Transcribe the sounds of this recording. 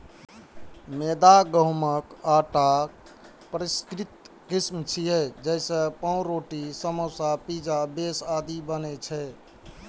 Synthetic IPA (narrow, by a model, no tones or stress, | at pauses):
med̪aɡəɦməkaʈa | pəɾiskɾit̪ | kismt͡ʃʰiɦɛd͡ʒɛjsə̃pãũɾoʈisəməsapid͡ʒabesad̪ibənɛt͡ʃʰɛ